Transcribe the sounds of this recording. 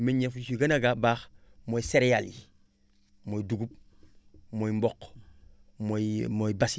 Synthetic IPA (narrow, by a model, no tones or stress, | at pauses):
meɲefusiɡanaɡabaːxmoiseɾejalḭ | moːjiduɡup̚ | mojimbok | momoibas